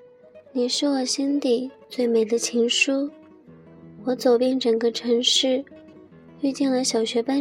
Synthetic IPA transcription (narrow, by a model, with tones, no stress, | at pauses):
ni˨˩ʂɻ̩˥˩wɔ˨˩ɕi˥nt̪i˨˩t͡swe˥˩ɪme˨˩ɪd̪ə˦t͡ɕʰi˧˥ŋʂu˥ | wɔ˧˥t͡so˨˩ʊpjɛ˥˩nʈ͡ʂɤ˨˩ŋɡə˦ʈ͡ʂʰɤ˧˥ŋʂɻ̩˥˧ | y˥˧t̪i˥˩ŋlə˨˦ɕjɑ˨˩ʊɕɥɛ˧˥pa˥n